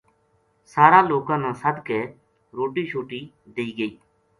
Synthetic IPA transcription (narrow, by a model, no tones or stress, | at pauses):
saːɾaːloːkãːnãːsəd̪ʱkeː | ɾoːʈiːʃʰoːʈiː | d̪iiːɡəiː